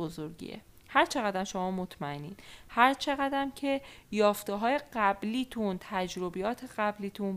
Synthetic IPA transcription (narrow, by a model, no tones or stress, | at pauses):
ozoɾɟḭːḛ | hæɾt͡ʃʰe̞ɣæd̪æmʃomɒːmot̪ʰmæenḭːnhæɾt͡ʃʰe̞ɣæd̪æmcʰe̞jɒːft̪eɦɒːje̞ɢæbliːt̪ʰunt̪ʰæd͡ʒɾobijɒːt̪ʰeɢæbliːt̪ʰun